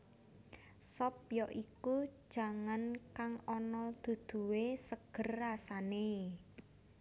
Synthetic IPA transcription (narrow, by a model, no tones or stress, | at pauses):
sɔp̚jɔʔiku̥ʒ̥a̤ŋankaŋɔnɔd̪̥ṳd̪̥ṳwesəɡ̥ə̤rːasane